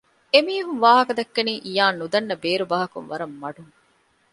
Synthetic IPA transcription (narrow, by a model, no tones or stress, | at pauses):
emiːɐɦunʋaːɦɐkɐd̪ɐkːɐniːʔijaːnːud̪ɐnːɐbeːɾubɐːɦɐkunʋɐɾɐmːɐɖuŋ